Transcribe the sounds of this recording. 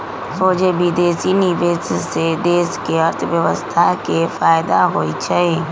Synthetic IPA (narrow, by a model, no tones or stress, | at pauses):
soːd͡ʒebid̪eːsiniʋeːssed̪eːskeəɾt̪ʰəʋjəʋəst̪ʰakefaːjd̪aɦoːit͡ʃaeː